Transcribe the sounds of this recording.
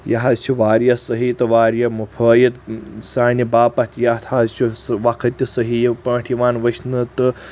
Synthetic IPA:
jɐ̰ɦɐzt͡ʃʰiʋaːɾjɐsɐɦit̪ɨʋaːɾjɐmupʰəːjit̪saːnibaːpɐt̪ʰʲjat̪ʰazt͡ʃʰisʋakʰɐt̪ʲːisɐɦijipɐ̃ːʈʰiʋaːnʋɐʃnɨt̪ɨ

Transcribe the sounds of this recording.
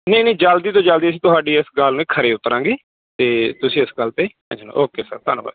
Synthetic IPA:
nẽːnẽːd͡ʒəld̪iːt̪õːd͡ʒəld̪iːəsĩːt̪ʊɦaːɖiːɪsɡəlnẽːkʰəɾeːʊt̪ːɾãːɡeː | t̪eːt̪ʊsĩːɪsɡəlt̪eː | ã̰d͡ʒno̰ʔoːkeːsə̰ɾt̪aːnːba̰ːd̪

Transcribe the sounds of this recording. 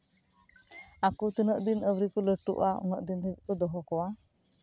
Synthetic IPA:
akut̪ənəʔd̪inəwɾikɔləʈṵʔaɔ̰ŋəʔd̪inɛbkɔd̪ɔɦɔkɔwa

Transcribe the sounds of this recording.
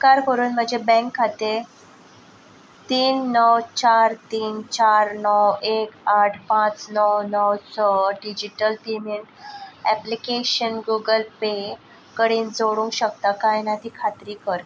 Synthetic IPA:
kaɾkəɾuːnm̤əd͡ʑebɛ̃ŋkʰːat̪e | t̪iːnːəwt͡ɕaɾt̪iːnt͡ɕaɾnɔwekaʈʰpãt͡snəwnəwt͡ssəɖid͡ʑiʈəlpemeɳʈɛplikeɕənɡuɡəlpe | kəɽiːnd͡zoɽũŋkɕək̚t̪akajnat̪iːkʰat̪ɾiːkəɾ

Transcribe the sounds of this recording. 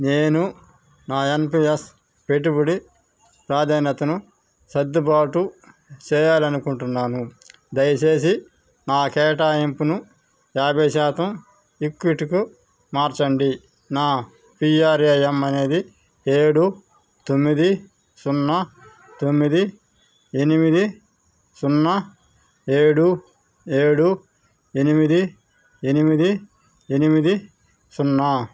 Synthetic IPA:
neːnu | naːenpies | peʈibuɽi | pɾaːd̪ʱaːnɐt̪ɐnu | sɐd̪ːubaːʈu | t͡ʃɛːjaːlɐnukuɳʈunːaːnu | d̪ɐjɐt͡ʃeːs̬i | naːkɛːʈaːempunu | jaːbʱɐjʃaːt̪ɐm | ikːʋiʈiku | maːɾt͡ʃɐɳɖi | naː | piːaːɾɐjɐmɐne̞ːd̪i | eːɽu | t̪omːid̪i | sunːɐ | t̪omːid̪i | enimid̪i | sunːɐ | e̞ːɽu | e̞ːɽu | enimid̪i | enimid̪i | enimid̪i | sunːa

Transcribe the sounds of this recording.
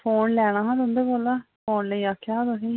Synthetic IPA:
pʰoːnlɛːɽ̃ãːɦãːd̪ʊ̃nd̪eːboːlaː | pʰoːnləiːaːkʰːaːɦːd̪osĩː

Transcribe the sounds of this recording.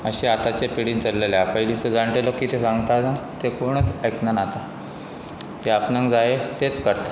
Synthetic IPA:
əɕiat̪at͡ɕapiɽiːnt͡səlːeljapəɦilised͡zaɳʈelokit̪ʰesãŋɡt̪anat̪ekoɽ̃ət͡səjknanat̪a | t̪eapnãŋkd͡zaet̪et͡skəɾt̪ḁ

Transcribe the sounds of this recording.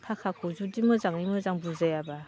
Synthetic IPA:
kʰakʰakʰuzudimɯzaŋimɯzaŋbuzajaba

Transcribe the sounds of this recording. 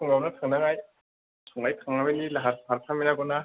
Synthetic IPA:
ɯŋawnatʰaŋnaŋaj | tʰɔŋajkʰaŋamenilaɦaɾɦaɾtʰaminaɡɔna

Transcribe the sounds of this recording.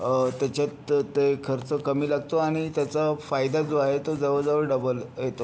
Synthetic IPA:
t̪jat͡ɕat̪t̪ːekʰəɾt͡səkəmiːlaɡt̪oaɽ̃it̪jat͡safajd̪ad͡zoaɦet̪od͡zəʋəd͡zaʋəɾɖəbəljet̪o

